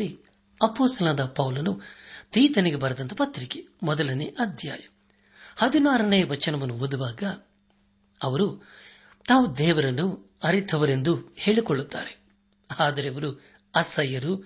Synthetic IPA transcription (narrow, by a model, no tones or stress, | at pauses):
i | ɐpoːst̪ɐlanːd̪ɐpɐwlɐnut̪iːt̪ɐniɡebɐɾɐd̪ɐnt̪ʰɐpɐt̪ɾiki̥mɔd̪ɐlɐniʔɐd̪ʱja̰ːjɐm | hɐd̪inaːɾɐnejɐʋɐt͡ʃːɐnɐmɐnuod̪uʋaːɡɐ | ɐʋɐɾu | t̪aːʋud̪ɛːʋɐɾɐnu | ɐɾit̪ʰɐʋɐɾe̞nd̪uhe̞ːɭikoɭːut̪ːa̰ːɾe | aːd̪ɐɾeʋɐɾu | ɐsɐjɐɾu